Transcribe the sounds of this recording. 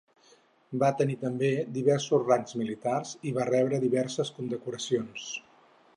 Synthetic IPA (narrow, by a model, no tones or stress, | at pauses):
bat̪ənit̪əmbed̪iβɛɾsuzraŋzmilit̪arziβarɛβɾəðiβɛɾsəskund̪əkuɾəsions